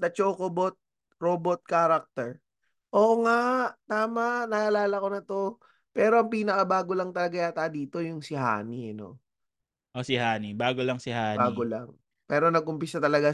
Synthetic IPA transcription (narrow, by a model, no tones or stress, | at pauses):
d̪ɐt͡ʃoːkobot̪̚ | ɾoːbot̪̚kaːɾɐk̚t̪ɛɹ | ʔoːʔŋaʔt̪aːmaʔnɐʔaʔɐlaːlɐko̞nɐt̪o̞ | pɛːɾoɐŋpiːnɐkɐbaːɡo̞lɐŋt̪ɐlɐɡajaːt̪ad̪iːt̪o̞jʊŋsɪɦa̰ːniɛno̰ | ʔosɪhaːnibaːɡolɐŋsɪhaːbaːɡola̰ŋ | pɛːɾo̞nɐɡ̚ʔʊmpɪsat̪ɐlɐɡa